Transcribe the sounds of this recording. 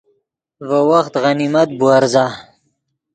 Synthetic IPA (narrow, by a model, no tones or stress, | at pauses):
vəwaxt̪ɣanimat̪̚buaɾza